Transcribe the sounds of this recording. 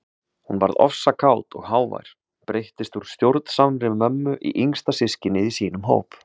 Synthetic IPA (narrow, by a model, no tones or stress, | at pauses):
hunva̰ɾðɔ̰fsakʰaːwt̪ɔ̰ɣɦaːwva̰jɾ̥ | pɾejht̪ɪst̪uɾ̥st̪jowɾt̪n̥samɾɪvmœmːʏʔḭʔiŋst̪asɪscɪnːɪðisiːnʏmɦo̰ːwp